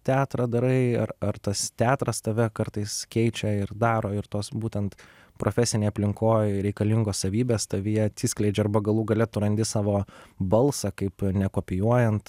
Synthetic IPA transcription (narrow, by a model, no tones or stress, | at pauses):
t̪ʲæːt̪ɾɐd̪ɐɾɐɪɐrɐrt̪ɐst̪ʲæːt̪ɾɐst̪ɐʋʲɛkɐɾt̪ɐɪskʲɛɪt͡ʃʲɛɪɾd̪ɑːɾoːɪɾt̪oːsbuːt̪ʲɛnt̪ | pɾʔoːfʲɛsʲɪnʲeɪɐpʲlʲɪŋkoːjɾʲɛɪkɐlʲɪŋɡoːssɐʋʲiːbʲeːst̪ɐʋʲɪjɛɐt̪sʲiːsʲklʲɛɪd͡ʒʲɛɐrbɐɡɐlˠuːɡɐlʲɛt̪ʊɾɐnʲd̪ʲɪsɑːʋoːbɐlˠsɐkɐɪpnʲɛkoːpʲɪjuɔjɛnt̪